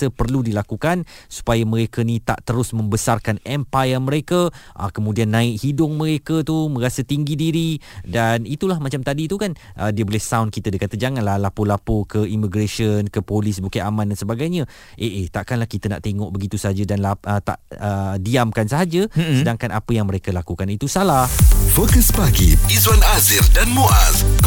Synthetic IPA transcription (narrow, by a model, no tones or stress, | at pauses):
əpərludilakukansu̥pajamə̃ɾekənĩt̪a̰ʔt̪əɾʊsmə̃mbəsarkanɛmpajəmə̃ɾekaʔa̰kəmũdianːãɪʔhidʊŋmə̃ɾekət̪umə̃ɾasət̪iŋɡidiɾidanit̪ulahmãt͡ʃamt̪adit̪ukan | ʔədiəbolɛhsawnkit̪ədəkat̪əd͡ʒaŋanlahlapolapokəimiɡɾeʃənkəpolisbukaamãndansəbaɡajɲə̃ | ʔeʔet̪aʔkanlahkit̪əna̰ʔt̪eŋɔʔ̚bəɡit̪usəɦad͡ʒədanlaət̪a̰ʔədiamkansəɦad͡ʒəsədaŋkanapəjaŋməɾekəlakukanit̪usalahfokəsbaɡḭizwanaziɾdanmoʔaz